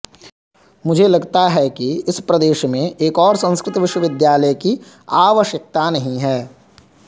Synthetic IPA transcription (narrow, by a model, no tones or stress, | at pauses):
mʊd͡ʒʱelɐɡt̪aɦɛkiɪspɾɐd̪eːʃmẽeːkɔːɾsɐ̃nskɾɪt̪ʋɪʃwəʋɪd̪jaːləjki | aːʋəʃjək̚t̪anɐɦĩɦɛː